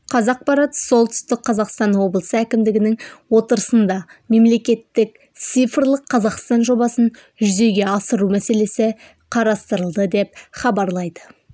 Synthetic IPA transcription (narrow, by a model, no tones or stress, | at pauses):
qʰɑzɑq̚pɑɾɑt̪əso̞lˠt̪ʏ̥st̪ɪk̚qʰɑzɑqst̪ɑnwo̞blˠəsəækʲɪmd̪ɪɡʲɪnɪŋwo̞t̪əɾəsənd̪ɑme̞mle̞kʲe̞t̪ːɪk̚ | t̪sijfrlˠəqʰːɑzɑqst̪ɑnʒo̞bɑsən | ʒʏze̞ɡʲe̞ɑsəɾumæse̞le̞sɪ | qʰɑɾɑst̪əɾəlˠd̪əd̪e̞p̚χɑbɑɾlˠɑjd̪ə